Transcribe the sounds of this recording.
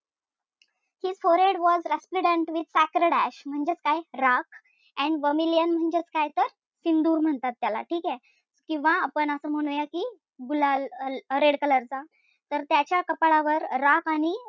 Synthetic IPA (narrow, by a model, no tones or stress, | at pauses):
hid͡zfoɾeɽʋɔzɾaspluɽə̃ɳʈʋid̪sækɾəɽæɕm̤əɳd͡ʑet͡skajɾak | ɛ̃ɳʋəmilijənm̤əɳd͡ʑet͡skajt̪əɾ | sind̪uːɾm̤əɳt̪at̪ːjala̰ʈʰiːkɛ | kĩw̃ʋaːpəɳəsəm̤əɽ̃ũjakiː | ɡulalləɾeɽkələɾd͡za | t̪əɾt̪jat͡ɕjakəpɭaʋəɾɾakaɽ̃i